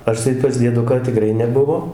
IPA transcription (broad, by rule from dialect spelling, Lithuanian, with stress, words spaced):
ˈɐʃ tɐɪ pɐs dʲiɛˈdʊkɑː tʲɪˈkrɐɪ nʲɛˈbʊʋoː